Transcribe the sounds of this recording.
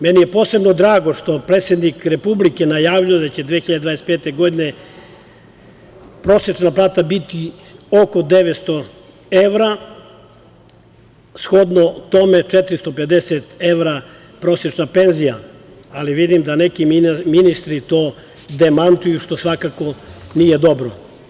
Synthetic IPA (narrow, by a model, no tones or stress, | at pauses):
menijepo̞ːse̞bno̞d̪ɾaːɡoʃt̪o̞pɾeːt̪sjed̪nikɾepublikenajaːʋʎujed̪at͡ɕe̞d̪ʋexiʎad̪ed̪ʋaɾespeːt̪eɡo̞d̪ine | pɾo̞sjet͡ʃnaplˠaːt̪abit̪i | oko̞d̪eʋet̪st̪o̞ | eʋɾa | sxo̞d̪not̪o̞me̞t͡ʃet̪ɾist̪o̞pe̞d̪eset̪eʋɾa | pɾo̞sjet͡ʃnape̞nzija | aliʋid̪imd̪anekimminist̪ɾit̪oː | d̪emant̪ujuʃt̪o̞sʋakako̞nije̞d̪o̞bɾo